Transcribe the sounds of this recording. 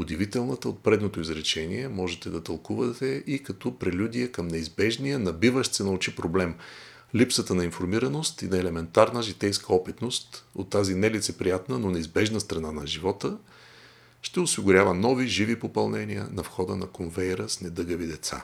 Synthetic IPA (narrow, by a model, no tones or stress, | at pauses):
ʊd̪ivit̪ɛlˠnət̪əot̪̚pɾɛd̪not̪oizɾɛt͡ʃɛniɛmɔʒɛt̪ɛd̪ɐt̪ɐlˠkuvət̪ɛʔikɐt̪ɔpɾɛlʲud̪ʲiɛkəmnɛizbɛʒnijənɐbivəʃt̪sɛnɐut͡ʃipɾoblɛm | lipsət̪ənɐinfoɾmiɾɐnost̪inɐɛlɛmɛnt̪aɾnəʒit̪ɛjskəɔpɛt̪nost̪ot̪ːazinɛlit̪sɛpɾijat̪nənonɛizbɛʒnəst̪ɾɐnanɐʒivɔt̪ə | ʃt̪ɛʊsiɡʊɾʲavənɔviʒivipopɐlˠnɛniə̰nɐfxɔd̪ənɐkonvɛjɾəsnɛd̪ɤɡəvid̪ɛt̪sa̰